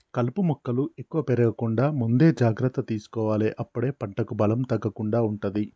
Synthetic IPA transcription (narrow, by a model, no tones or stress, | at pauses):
kɐlpumɔkːɐluekːuʋɐpeɾɐɡɐkuɳɖaːmund̪e̞ːd͡ʒaːɡɾɐt̪ːɐt̪iːsu̥kɔːʋaːleːʔɐpːuɽe̞ːpɐɳʈɐkubɐlɐmt̪ɐɡːɐkuɳɖaːuɳʈund̪i